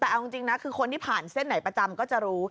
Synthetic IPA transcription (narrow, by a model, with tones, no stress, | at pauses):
t̪ɛː˨˩ʔa˧wt͡ɕi˧ŋt͡ɕi˧ŋna˦˥kʰɯː˧kʰo˧nt̪ʰiː˥˩pʰaː˨˩nse˥˩nːa˩˦jpɾa˧t͡ɕa˧mkɔː˥˩t͡ɕa˨˩ɾuː˦˥